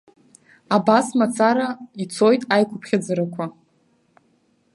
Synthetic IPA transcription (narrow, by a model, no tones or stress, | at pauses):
abasmat͡sʰaɾait͡sʰo̞jtʼajkʷʰʊpʰχʲad͡zaɾakʷʰa